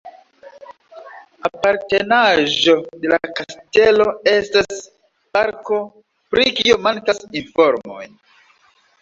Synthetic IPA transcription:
apaɾte̞naʒo̞de̞lakaste̞lo̞e̞stas | paɾko̞ | pɾʔikiomankasinfo̞ɾmo̞̰j

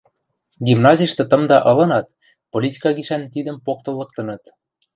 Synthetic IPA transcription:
ɡʲimnɑzʲiʃt̪ɤ̆t̪ɤ̆md̪ɑʔɤ̆lɤ̆nɑt̪ | polʲitʲi̥kɑɡiʃænt̪id̪ə̆mpok̚t̪ɤ̆lːɤ̆k̚t̪ɤ̆nɤ̆t̪

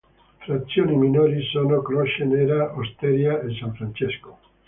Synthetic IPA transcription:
fɾat̪sːjoːniminoːɾisoːnokloʃeneːɾaost̪eɾjaesaɱfɾant͡ʃesko̥

